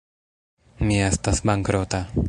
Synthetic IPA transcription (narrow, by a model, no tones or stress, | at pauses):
miast̪asbaŋkɾot̪a